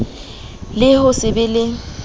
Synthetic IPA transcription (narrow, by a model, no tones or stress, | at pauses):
lɪɦʊsɪbɪlɪ